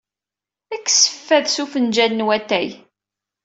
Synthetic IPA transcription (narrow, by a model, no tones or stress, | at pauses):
ækːsə̥fːæðsufənd͡ʒælnwæt̪ːæj